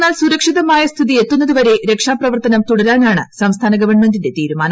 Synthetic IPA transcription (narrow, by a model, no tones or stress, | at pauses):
nːaːlsuɾɐkʂiðɐmaːjɐst̪ʰiðie̞t̪ːunːɐðuʋɐɾe̞ɾe̞kʂaːprɐʋɐrt̪ɐnɐmt̪uɽɐɾaːnaːɳɨsɐmst̪ʰaːnɐɡɐʋɐrɳme̞ndinde̞t̪iːɾumaːnɐ